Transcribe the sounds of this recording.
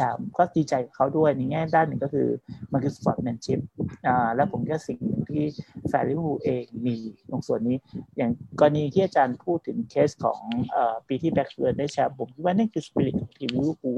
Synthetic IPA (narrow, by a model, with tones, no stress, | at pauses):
aː˨˦mkɔː˥˩diː˧t͡ɕa˧jka˨˩kʰa˦˥wdu˥˩əjna˧jŋɛː˥˩daː˥˩nɯ˨˩ŋkɔː˥˩kʰɯ̰ː˧ma˧nkʰɯ˧spɔ̰ː˨˩t̪̚mɛ˧nt͡ɕʰi˦˥p̚ʔaː˨˩lɛ˦˥wpʰo˩˦mkʰi˦˥waː˥˩si˨˩ŋnɯ˨˩ŋt̪ʰiː˥˩saː˨˦jli˦˥˩buː˧ʔeː˧ŋmiː˧lo˨˩˦ŋsu˨˩ənːiː˦˥jaː˨˩ŋkɔː˧nːiː˦˥t̪ʰiː˥˩ʔa˨˧˩t͡ɕaː˧npʰuː˥˩t̪ʰːɯ˨˩˦ŋkʰeː˦˥skʰɔ̰ː˩˦ŋʔəː˨˩piː˧t̪ʰiː˥˩bɛ˦˥k̚slɯː˧daː˥˩jt͡ɕʰa˦˥ppʰo˩˦mkʰi˦˥waː˥˩na˥˩ŋku˧˩spi˧li˨˩kʰɔː˩˦ŋt̪ʰiː˧wiː˧˦luː˥˩k̚ʰuː˧˩